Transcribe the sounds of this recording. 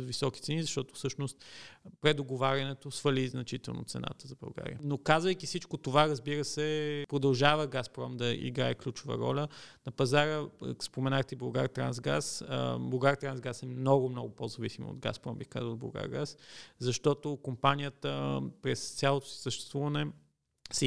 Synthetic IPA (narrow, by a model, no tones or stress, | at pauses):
visɔk̟it̪sɛnizɐʃt̪ɔt̪o̥fsɤʃnost̪pɾɛd̪oɡovaɾʲɐnɛt̪osfəliznɐt͡ʃit̪ɛ̰lˠno̰t̪sɛ̰na̰t̪əzɐbɐ̰lˠɡa̰ɾḭjənokazvəjkisit͡ʃkot̪ovaɾɐzbiɾəsɛpɾod̪ɐlˠʒavəɡaspɾɔmd̪ɐḭɡɾaɛklʲut͡ʃʊvə̰ɾɔ̰lʲənɐpɐzaɾəspomɛnaxt̪ibˠɐɡaɾt̪ɾa̰ns̬ɡa̰sbˠɐɡaɾt̪ɾanzɡasɛmnɔɡʊmnɔɡʊpozɐvisimə̰o̰d̪ɡa̰spɾɔ̰mbixka̰zəlˠblˠɐ̰ɡa̰ɾɡaszɐʃt̪ɔt̪okompanʲijət̪əpɾɛst̪sʲalˠot̪o̥səʃt̪ɛ̥st̪vuvənɛ | sɛ